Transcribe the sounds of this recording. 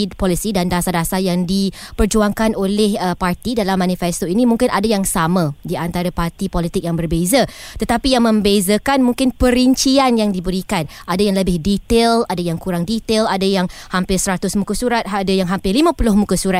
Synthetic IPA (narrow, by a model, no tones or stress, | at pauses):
pɔlisidandasadasajaŋdipərd͡ʒuaŋkanolɛhəpart̪idalamːãnifɛst̪oinĩmũŋkɪnʔadajaŋsamãdiant̪aɾapart̪ipɔlit̪ɪk̚jaŋbərbezət̪ət̪apijaŋmə̃mbezəkanmũŋkɪnpəɾiɲt͡ʃianjaŋdibəɾikanʔadajaŋləbɪhdit̪eladajaŋkuɾaŋdit̪eladajaŋhampɪrsəɾat̪ʊsmukasuɾat̪̚adajaŋɦampɪrlimãpulʊhmũkasuɾat̪̚